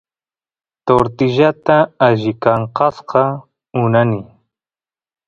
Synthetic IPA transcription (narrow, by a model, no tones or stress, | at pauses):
t̪oɾt̪ɪʒat̪aːʒɪkaɴqɑsqɑ | ʊnani